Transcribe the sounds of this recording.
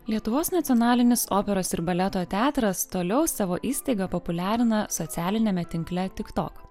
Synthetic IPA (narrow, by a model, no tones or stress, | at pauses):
lʲiɛt̪ʊʋoːsnɐt̪ʲɔnɑːlʲɪnʲɪsoːpʲɛɾoːsɪɾbɐlʲɛt̪oːt̪ʲæːt̪ɾɐst̪oːlʲɛʊsɑːʋoːʔiːsʲt̪ɐɪɡɐpopʊlʲæːɾʲɪnɐsɔt̪sʲæːlʲɪnʲɛmʲɛt̪ʲɪŋklʲɛt̪ʲɪkt̪o̰ːk